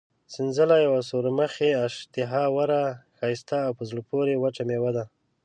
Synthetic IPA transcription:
sɪnzəlajawasoɾaməxeaʃt̪ɪɦɑwaɾaxɑjst̪aːwpəzləpoɾewaʈ͡ʂamewad̪a

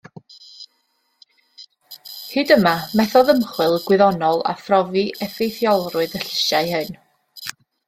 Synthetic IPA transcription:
hɨːdəmamɛθɔðəmχwɪlˠɡwɪðɔnɔlˠa̰frɔviʔɛfejθjɔlˠrʊɨðəɬɪʃaɨhɨn

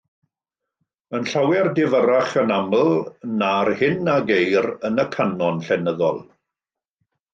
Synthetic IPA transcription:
ənɬawɛrdɪvəɾaχənamlˠnarhɪnaɡejɾənəkʰanɔnɬɛnəðɔ̰lˠ

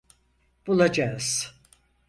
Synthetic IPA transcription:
b̥ulˠad͡ʒaɯz̥

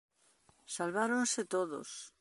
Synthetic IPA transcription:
salβaɾonset̪oðo̰s

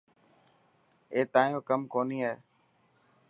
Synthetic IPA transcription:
eːt̪ãːjõːkəmkoːniːaɦeː

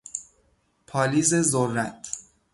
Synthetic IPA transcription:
pʰɒːliːzezorːæt̪ʰ

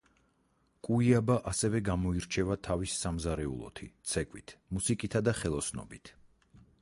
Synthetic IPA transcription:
kʼuiabaʔasɛvɛɡamɔiɾt͡ʃʰɛvat̪ʰavisːamzaɾɛṵlˠɔ̰t̪ʰḭt̪sʰɛkʼwit̪ʰmusikʼit̪ʰad̪aχɛlˠɔsnɔ̰bit̪ʰ

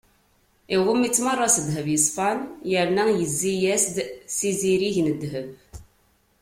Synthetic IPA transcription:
iʁʊmːit͡sːmɑrˤːɑsəd̪ɦəvjəsˤfɑnjəɾnæjəzːijæsd̪siziɾiʝnəd̪ːɦəv

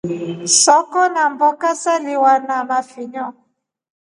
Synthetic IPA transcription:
sɔkɔnambɔkasaliwanamafiɲɔ

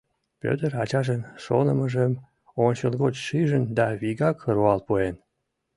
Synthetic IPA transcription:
pʲø̰t̪ərɑt͡ɕɑʒənʃo̰nəməʒəm | onʲt͡ɕəlˠɣot͡ɕʃiʒənd̪ɑβiɣɑkɾuɑlpuen

